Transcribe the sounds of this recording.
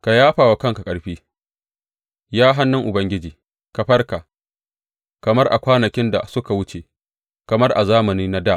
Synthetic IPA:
ka˨jaː˦ɸaː˨wa˨kɐ˦ŋka˨kʼɐ˨ɾɸiː˦ | jaː˦ɦa˦nːʊ˦ŋʔʊ˨bɐ˦ŋɡʲɪ˦d͡ʒiː˨ | ka˨ɸɐ˦rka˨ | kɐ˨mɐ˦rʔa̰˨kʷaː˦nɐ˨kʲɪ˦nda̰˨sʊ˦ka˨wʊ˦t͡ʃe˨ | kɐ˨mɐ˦rʔa˨zaː˦mɐ˨niː˦na˦daː˦˨ʔ

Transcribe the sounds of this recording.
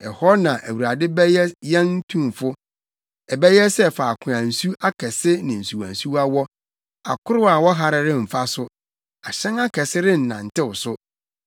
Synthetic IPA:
ɛ˨hɔ˦nã˨ʔæ˨wu˨ɾa˨dɪ˦bɛ˦jɛ˦jɛ̃˦n˦tʰũ˦mfʊ˦ | ɛ˨bɛ˦jɛ˦sɛ˦˨faː˨kʰʊ̃˨ã˨n̩˨su˦a˦kʰɛ˨sɪ˦nɪ̃˨n̩˨su˨wã̰˨nsu˦wa˦wɔ˦ | a̰˨kʰʊ˦ɾʊ˦a˨wɔ˦ɦa˨ɾɪ˨ɾɪ̃˦m̩˨fa˦sʊ˦ | a˨ɕɛ̃˦na˦kʰɛ˨sɪ˦ɾɪ̃˦n̩˨nã̰˨n̩˨tɪ˦wʊ˨sʊ˦

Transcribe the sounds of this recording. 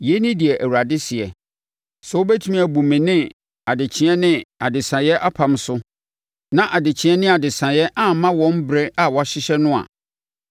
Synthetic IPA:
jɛ˦nɪ̃˦di˨ɛ˨ʔæ˨wu˨ɾa˨dɪ˦sɪ˨ɛ˨ | sɛ˦o˦be˦tʰu˦mĩ˦æ˨bu˨mɪ̃˨nɪ̃˦ | a˨dɪ˨t͡ɕʰɪ˦ɛ˦nɪ̃˦a˨dɪ˨sã˨jɛ˦ʔa˦pʰã˨m˦sʊ˦ | nã˦˨ʔa˨dɪ˨t͡ɕʰɪ̃˦ɛ˦nɪ̃˦a˨dɪ˨sã˨jɛ˦ʔa˦˨˦mã˦wɔ̃˦m˦bɾɛ˦ʔa˨wɔ˨a˨ɕɪ˦ɕɛ˦nʊ̃˦a̰˨

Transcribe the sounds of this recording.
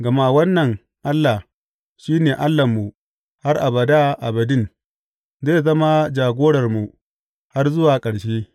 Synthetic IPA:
ɡɐ˨ma˦wɐ˦nːɐ˨ŋ | ʔa˦lːa˨ | ʃiː˦neː˨ʔa˦lːa˨mːu˨ | ha˦rʔa˨bɐ˨da˦ʔa˨bɐ˨dɪ˦n | zeː˦˨zɐ˦ma˦d͡ʒaː˨ɡʷoː˦ɽɐ˨rmu˨ | ha˦rzʊ˦waː˨kʼɐ˨ɽʃeː˦

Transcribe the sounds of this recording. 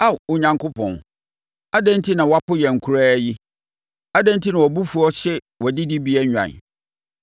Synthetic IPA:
a˦˨wʊ˨ɲã˨ŋkʊ˦pʰɔ̰̃˨n˨ | a˦dã˦n˦tʰi˦nã˨wa˦pʊ˦jɛ˨ŋ̩˨kʰu˦ɾaː˦ji˦ | a˦dɛ̃˦n˦tʰi˦nã˨wɔ˨bu˦fu˨˦ɔ˦ɕɛ˦ | wɔ˨dɪ˦di˦bi˦ɛ˦ɲᶣã̰˨n

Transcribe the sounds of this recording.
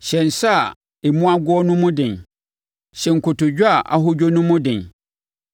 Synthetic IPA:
ɕɛ̃˨n̩˨sa˦˨ | e˨mũ˦a˦ɡʊ˦ɔ˦nʊ̃˦mʊ̃˦dɪ̃˨n | ɕɛ̃˨ŋ̩˨kʰʊ˨tʊ˨d͡ʑᶣa˨ʔa̰˨ɦʊ˦d͡ʑᶣo˦nʊ̃˦mʊ̃˦dɪ̃˨n

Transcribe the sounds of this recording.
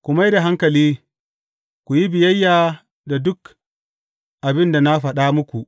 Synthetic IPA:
kʷʊ˨ma˦jda˨ɦa˦ŋkɐ˨liː˦ | kʷu˨ji˦bɪ˨jɐ˦jːaː˨ | da˨dʊ˦k | ʔa˨bɪ˦nda˨na˦ɸɐ˨ɗaː˦mʊ˦kʷu˨ʔ

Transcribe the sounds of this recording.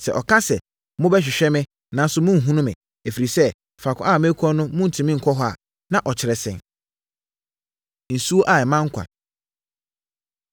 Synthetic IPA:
sɛ̰˨ʔɔ˨kʰã˦sɛ˨ | mʊ̃˦bɛ˦ɕ̬ᶣɪ˨ɕᶣɛ˦mɪ̃˦ | nã˨n˦sʊ˦mʊ̃˦˨ɦũ˦nʊ̃˦mɪ̰̃˨ | æ˨fi˨ɾi˨sɛ˦˨ | fa˨kʰʊ̰̃˦a˦˨mẽ˦kʰɔ̃˦nʊ̃˦mʊ̃˦n̩˨tʰĩ˨mĩ˦ŋ̩˨kʰɔ˦ɦɔ˦a̰˨ | nã˦ʔɔ˨t͡ɕʰɪ˨ɾɛ˨sɛ̰̃˨n | n̩˨su˦o˦ʔa˨ɛ˨mã˦ŋ̩˦kʷʰã̰˨

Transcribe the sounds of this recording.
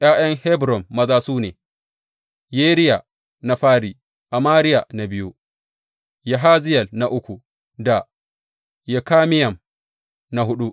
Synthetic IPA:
ʔj̰aː˦j̰ɐ˦ŋhɛ˦bɾɔ˨mːɐ˦zaː˦suː˦neː˨ | jeː˦ɾɪ˦ja˨ | na˨ɸaː˦ɾiː˨ | ʔa˨maː˦ɾɪ˦ja˨na˨bɪ˦ju˦ | ja˨ɦaː˦zɪ˦jɐ˨lna˨ʔʊ˦kʷu˨ | da˨ | jɛ˨kaː˦mɪ˦jɐ˨m | na˨ɦʊ˦ɗu˦

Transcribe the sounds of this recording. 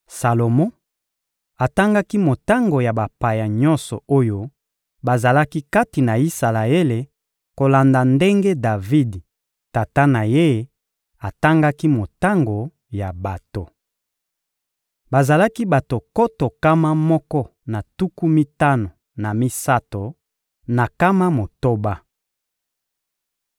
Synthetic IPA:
sa˨lo˨mɔ̃˦ | a˨ta˦ŋɡa˦ki˦mo˨ta˦ŋɡo˨ja˨ba˨pa˨ja˨ɲɔ̃˦nsɔ˨o˦jo˦ | ba˨za˨la˦ki˦ka˦ti˨na˨i˦sa˨la˨e˦le˨ | ko˨la˨nda˨nde˦ŋɡe˦da˨vi˦d | ta˨ta˦na˨je˦ | a˨ta˦ŋɡa˦ki˦mo˨ta˦ŋɡo˨ | ja˨ba˨to˨ | ba˨za˨la˦ki˦ba˨to˨ko˦to˨ka˦ma˦mɔ˦kɔ˦na˨tu˦ku˦mi˦ta˦no˨ | na˨mi˦sa˦to˨ | na˨ka˦ma˦mo˨to˦ba˦

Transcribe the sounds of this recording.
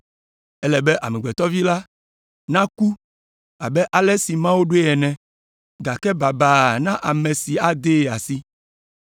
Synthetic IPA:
ɛ˦lɛ˨bɛ˦ʔa̰˨mɛ˨ɡ͡bɛ˨t̪ɔ˦vi˦la˦ | nã˦ku˦ | a˨bɛ˦ʔa˨lɛ˦si˨mã˦wo˦ɖo˦ɛ˨nɛ̃˨ | ɡa˨kɛ˦ba˨ba˨nã˦ʔa˨mɛ̃˨si˨a˨d̪e˦˨a˨si˦

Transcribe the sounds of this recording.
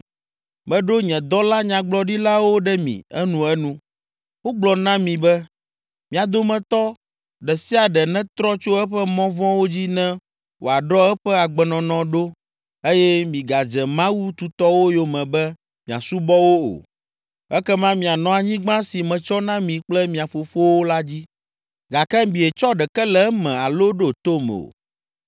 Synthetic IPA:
mɛ̃˦ɖo˦ɲɛ̃˨d̪ɔ˦la˦ɲã˨ɡ͡blɔ˨˦ɖi˦la˦wo˦ɖɛ˦mḭ̃˨ɛ˦nũ˦ɛ˦nũ˦ | wo˦ɡ͡blɔ˨nã˦mĩ˨bɛ˦ | mĩ˨a˨d̪o˦mɛ̃˨t̪ɔ˦ | ɖɛ˨si˦a˨ɖɛ˨nɛ̃˦t̪ɾɔ˦t͡ʃo˦ɛ˦ɸɛ˦mɔ̃˦vɔ̃˦wo˦d͡ʑi˦nɛ̃˦ | wʔo̰˨a˨ɖɔ˦ɛ˦ɸɛ˦a˨ɡ͡bɛ˨nɔ̃˨nɔ̃˨ɖo˦ | e˦jɛ˦mĩ˨ɡa˨d͡ʒɛ˨mã˦wu˦t̪u˨t̪ɔ˦wo˦jo˨mɛ̃˨bɛ˦ | mĩ˨a̰˨su˦bɔ˦wo˦o̰˨ | ɛ˦kɛ˦mã˦mĩ˨a˨nɔ̃˨a˨ɲĩ˦ɡ͡bã˦si˨mɛ̃˨t͡ʃɔ˦nã˦mĩ˨k͡plɛ˦mĩ˨a˨fo˨fo˦wo˦la˦d͡ʑi˦ | ɡa˨kɛ˦mĩ˨ɛ˨t͡ʃɔ˦ɖɛ˨kɛ˦lɛ˨˦mɛ̃˨a˨lo˦ɖo˦t̪o˦m̰˨o̰˨

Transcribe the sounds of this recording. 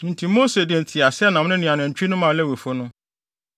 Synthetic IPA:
n̩˨tʰi˨mo˦se˨dɪ˨n̩˨tʰɪ˨a˨sɛ˦nã˨mʊ̃˦nɪ̃˦nĩ˨ã˨nʊ̃˨ɲ̩˨t͡ɕᶣi˦nʊ̃˦mã˨lɛ˦we˨fo˦nʊ̃˦

